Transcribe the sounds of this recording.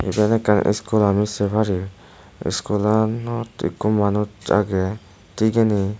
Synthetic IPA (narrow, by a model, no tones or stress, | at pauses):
ḭbɛnɛkan̰ʔḭskulamisɛbʱaɾi | ḭskulanɔtḭkumːanut͡ʃa̰ɡɛ | tiɡɛni